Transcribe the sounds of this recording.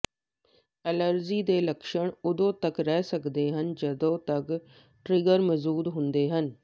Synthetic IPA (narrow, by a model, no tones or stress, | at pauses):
ɛləɾd͡ʒiːd̪eːləkʃəɳʊd̪õːt̪əkɾɛːsəkd̪eːɦənd͡ʒəd̪õːt̪ək | ʈɾɪɡəɾməzuːd̪ɦʊnd̪eːɦən